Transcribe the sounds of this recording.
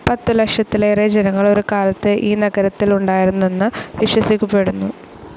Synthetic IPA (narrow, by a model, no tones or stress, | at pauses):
pɐt̪ːɨlɐkʂɐt̪ːilered͡ʑenɐŋːɐɭo̞ɾukaːlɐt̪ːɨʔiːnɐɡɐɾɐt̪ːiluɳɖaːjiɾunːuenːɨʋiʂwɐsikʲːupːeɽunːu